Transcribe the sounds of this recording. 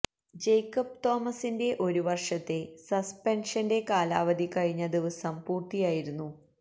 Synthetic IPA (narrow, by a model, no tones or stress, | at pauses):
d͡ʑe̞jkːɐp̚t̪o̞ːmɐsinde̞ʔo̞ɾuʋɐrʂɐt̪ːe̞sɐspenʂɐnde̞kaːlaːʋɐd̪ʱikɐɻiɲːɐd̪iʋɐsɐmpuːrt̪ijaːjiɾunːu